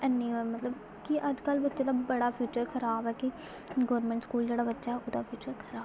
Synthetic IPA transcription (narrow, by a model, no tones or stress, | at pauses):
ənːĩːamət̪ləb | kiʔəd͡ʒkəlbətːʃaːd̪aːbəɽaːpʰjuːt͡ʃəɾkʰəɾaːbɛːki | ɡəʋəɾmɛ̃ːɳʈskuːld͡ʒeːɽaːbətːʃaːɛːʔʊd̪a̰ːpʰjuːt͡ʃəɾkʰəɾaːb